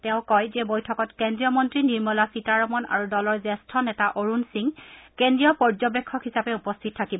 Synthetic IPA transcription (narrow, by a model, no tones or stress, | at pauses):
tɛʊ̃kɔjzɛbojtʰɔkɔtkendɹijɔmɔntɹiniɹmɔlasitaɹɔmɔna̰ɹudɔlɔɹzɛstʰɔnɛtaʔoɹunsiŋkendɹijɔpɔɹd͡ʒɔbekʰːɔkɦisapɛupɔstʰit̚tʰakibɔ